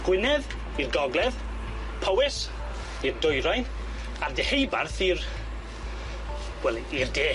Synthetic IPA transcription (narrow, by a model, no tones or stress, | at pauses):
ɡ̥wɪnɛð | irɡɔɡlˠɛð | pʰɔwɪs | irdʊjɾajn | ardɛhejbarθir | wɛlˠiirdeː